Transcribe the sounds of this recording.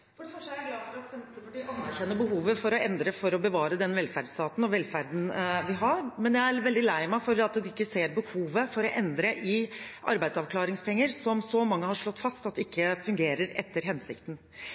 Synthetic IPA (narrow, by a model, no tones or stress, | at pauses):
fɔɖɛfɔʂɡlɑːfɔɾt̪sɛfɔɑnːæɾkɛnːəbəɦuːʋəfɔɾɔʔɛnd̪ɾəfɔɾɔbəʋɑːɾəd̪ɛnʋɛlfæɾɖst̪ʰɑːt̪n̩ɔʋɛlfæɾd̪n̩ʋɪɦɑɾmɛnjæɪæɾʋɛld̪ɪlæɪmæɪfɔɾɑt̪d̪ɛɪkːəseːɾbəhuːʋəfɔɾɔʔɛnd̪ɾəʔɪʔɑ̰ɾbæɪsɑʋkʰlɑːɾɪŋspʰɛŋːəɾsɔmsɔmɑŋːəhɑɾʂɭɔt̪ːfɑst̪ɑt̪ːɛɪkːəfʉŋɡeːɾəɾɛ̰t̪ːəɾɦɛnsɪ̰kt̪n̩